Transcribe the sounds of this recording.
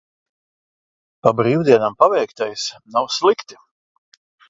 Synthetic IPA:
pabɾiːwd̪iɛnampavɛjkt̪ajsnawslˠikt̪i̥

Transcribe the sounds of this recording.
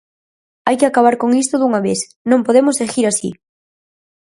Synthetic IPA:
ajkɪakaβ̞aɾkoŋist̪ʊðuŋaβeθ | nõmpoðemʊsexiɾasḭ

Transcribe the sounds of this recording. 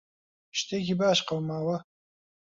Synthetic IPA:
ʃt̪ekibaːʃqawmaːwɐ

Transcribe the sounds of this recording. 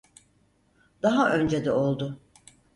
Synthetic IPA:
d̪̥aɦaʔø̞nd͡ʒed̪ɛo̞lˠd̪ʊ

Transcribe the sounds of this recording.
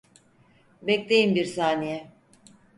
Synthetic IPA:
bɛclejimbiɾsaːnijɛ

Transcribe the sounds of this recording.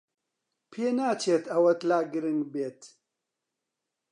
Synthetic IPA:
pʰeːnaːt͡ʃʰeːt̪ɐwɐt̪laːɡɨɾɨŋɡbeːt̪

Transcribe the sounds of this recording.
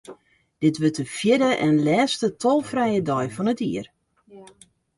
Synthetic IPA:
d̥ɪtʋøtəfjɪdəʔɛnlɛːstətʰɔlˠfrɛjədɔjfɔnətiər

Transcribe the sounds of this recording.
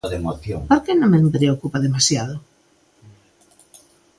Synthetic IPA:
ðemoθjo̰ŋpoɾkenõŋmempɾeokupaðemasjaðo

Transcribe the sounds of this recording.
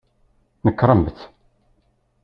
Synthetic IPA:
nəkːɾˤəmbθ

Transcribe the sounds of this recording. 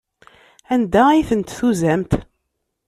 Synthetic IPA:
ænd̪æiθənt̪θuzæmt̪

